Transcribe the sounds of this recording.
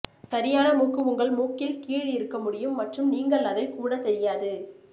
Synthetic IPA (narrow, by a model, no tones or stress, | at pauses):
sɐɾɪjaːnɐmuːkːɯʋʊŋɡɐɭmuːkːɪlkiːɻɪɾɯkːɐmʊɽɪjɯmːɐʈrɯmniːŋɡɐɭːɐðɐɪkuːɽɐt̪ːɛɾɪjaːðɯ